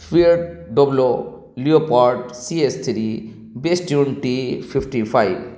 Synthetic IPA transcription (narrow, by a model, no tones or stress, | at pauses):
fiɾɖɖɔblo | liopaɾʈsiest̪ʰɾi | besʈjunʈipʰifʈipʰajb